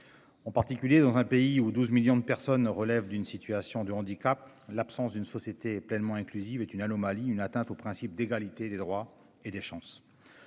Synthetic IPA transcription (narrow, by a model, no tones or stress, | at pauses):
ɑ̃paʁt̪ikʲyljed̪ɑ̃zɛ̃peiud̪uzmiljɔ̃d̪əpɛʁsɔnʁəlɛvd̪ynsit̪yasjɔ̃d̪əɑ̃d̪ikap̚ | lapsɑ̃sd̪ynsɔsjet̪eɛplɛnmɑ̃ɛ̃klyzivet̪ynanɔmaliynat̪ɛ̃t̪opχɛ̃sip̚d̪eɡalit̪ed̪ed̪ʁwa | ed̪eʃɑ̃s